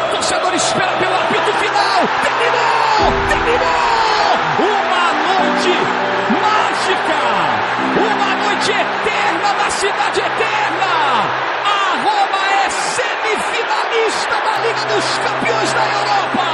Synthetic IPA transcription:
ʊsenoɾɪspɛɾɐt̪eapit̪ʊfinaw | t̪emino | t̪emino | ũmɐnojt͡ʃɪ | ma | ʒikɐ | ũmɐnojt͡ʃɪet̪ɛɾnɐnɐsid̪ad͡ʒɪet̪ɛɾnɐ | ɐ | ʁõmɐɛ | semifinalist̪ɐnɐliɡɐd̪ʊskɐ̃mpiõj̃zd̪ɐewɾɔpɐ

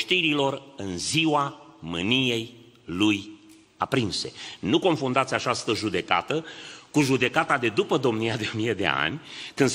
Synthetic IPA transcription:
ʃt̪iɾilo̞rɨnziwamɨnije̞j | luj | apɾinse̞̰nuko̞nfund̪at̪sʲat͡ʃast̪əʒud̪e̞ka̰t̪əkuʒud̪e̞kat̪ad̪e̞d̪upəd̪o̞mnijad̪e̞o̞mije̞d̪e̞̰a̰nʲkɨnd̪

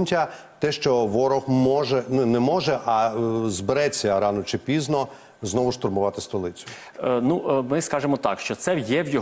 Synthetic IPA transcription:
nʲtʲɐ | t̪ɛʃt͡ʃɔʋɔɾɔxmɔʒɛnʊnɛmɔʒɛʔɐzbeɾɛt͡sʲːɐɾɑnɔt͡ʃɪpʲiznɔ | znɔʋʊʃt̪ʊrmʊʋɑt̪ɪst̪ɔlˠɪt͡sʲʊ̥ | numɪskɑʒemɔt̪ɑ̰kʃt͡ʃɔt̪sɛjɛwjɔ

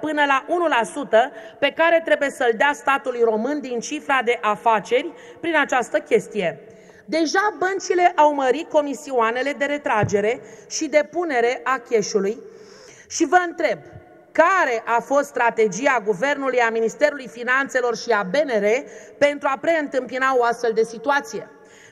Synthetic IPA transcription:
pɨnəlaʔunulasut̪əpe̞kaɾe̞t̪ɾe̞buje̞səld̪east̪at̪ulujro̞mɨnd̪int͡ʃifɾad̪e̞ʔafat͡ʃe̞rʲ | pɾinat͡ʃast̪əkʲe̞st̪ije̞ | d̪e̞ʒabənt͡ʃile̞ʔawməɾit̪̚ko̞misiuane̞le̞d̪e̞ɾe̞t̪ɾad͡ʒe̞ɾe̞ʃid̪e̞pune̞ɾe̞ʔakʲe̞ʃuluj | ʃivəɨnt̪ɾe̞b | kaɾe̞ʔafo̞st̪st̪ɾat̪e̞d͡ʒiaɡuve̞rnulujaminist̪e̞ɾulujfinant̪se̞lo̞rʃiabe̞ne̞ɾe̞pe̞nt̪ɾuapɾe̞ɨnt̪ɨmpinao̞ast̪fe̞ld̪e̞sit̪uat̪sije̞

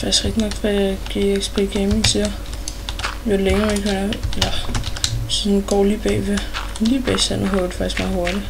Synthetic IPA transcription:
fɑ̈ɡ̥sɡ̥ʁɛɡ̥d̥inɒ̽ɡ̥fæɡ̥ḭːeɡ̥spʰeɡ̥eminsʰiɐ | joleŋɐeɡ̥enɐelɐ | sɔ̽nɡ̥ɒ̰ːlḭːb̥ɛ̰ːʋe | lḭːb̥ɛ̰ɪsenɐɦɔd̥ˠfɑ̈ɡ̥i̥sɡ̥mɑ̈ːð̩ˠɦo̝ɐɾ̥i

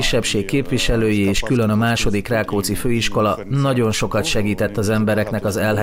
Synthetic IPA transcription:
iʃːɛpʃeːkːeːpʋiʃɛløːjieːʃkylø̞nɒmaːʃo̞d̪ikraːkoːt̪siføːiʃko̞lɒnɒɟo̞nʃo̞kɒt̪ʃɛɡiːt̪ɛt̪ːɒzɛmbɛɾɛknɛkɒzɛlɦ

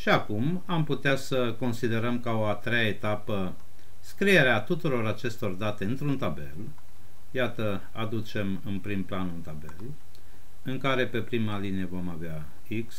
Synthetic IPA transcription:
ʃiakum | amput̪easəko̞nsid̪e̞ɾəmkaoat̪ɾejaet̪apə | skɾije̞ɾeat̪ut̪uɾo̞ɾat͡ʃe̞st̪o̞rd̪at̪e̞ɨnt̪ɾunt̪abe̞̰l | jat̪ə | ad̪ut͡ʃe̞mɨnpɾimplanunt̪abe̞l | ɨŋkaɾe̞pe̞pɾimalineevo̞mavea | iks

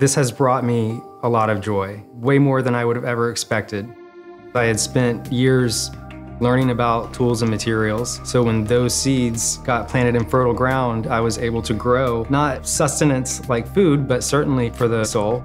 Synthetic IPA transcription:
ðɪshɨzbɹɔt̚mi | əlɔɾʌvd͡ʒɔɪweɪmɔɹðɨ̃ñaɪwʊɾɨvɛvə˞ɨkspɛk̚tɨd̚ | aɪɨd̥spɛ̃ntjɪɹz̥lɜ̃˞ñɪ̃ŋɨbaʊtʰulˠzə̃nmɨtʰɪɹil̩ˠz̥soʊwə̃nðoʊz̥sidz̥ɡ̥ɑt̚pʰl̥æ̃ɾ̃ɨɾɨ̃nfɜ˞ɾl̩ˠɡɹãʊ̃ndaɪwʌzeɪbl̩ˠtʰɨɡɹoʊnət̚sʌstɨnɨ̃ntslaɪkfʉd̚bʌtsɜ˞ʔn̩lifə˞ðɨsoʊlˠ

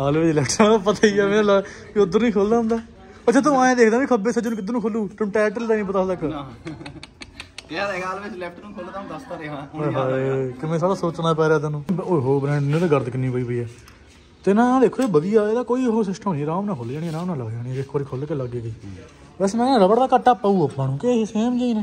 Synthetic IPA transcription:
aːlʋed͡ʒlɛːkʈãpət̪aːiːɛːmẽːlaʋiʊd̪əɾniːkʰoːld̪aːɦʊ̃nd̪aː | ət͡ʃːt͡ʃʰaːt̪̬ʊãːẽːd̪eːkʰd̪ãːʋiːkʰəbeːsad͡ʒnũkɪd̪ːnũːkʰoːluːʈəmʈɛːʈəld̪aːnĩːp̬ət̪aːsək | aːlʋet͡ʃlɛk̚ʈnũːkʰoːld̪ãd̪ast̪aːɾeɦaekɪmẽːsaːɽaːsoːt͡ʃnaːɛːpɛːɾaːt̪ãːnũːoɦoːbɾɛ̃ːɳɖnẽːd̪eːɡəɾd̪kɪnːiːpəiːpəiːɛː | t̪enãːd̪eːkʰoːeːbəd̪ɪjaːeːd̪aːkoːiːɦoːs̬ɪsʈʰmoːniːɾãːmnãːkʰoːld͡ʒaːɽiːɛɾãːmnãːləɡd͡ʒaːɽiːɛːekʰkoːɾiːkʰoːlekeləɡeːɡəiː | bɛːseːmɛːnːɾəbəɽd̪aːkəʈːaːpəuːəpmãːnũːkeseːmɡaːiːnẽː

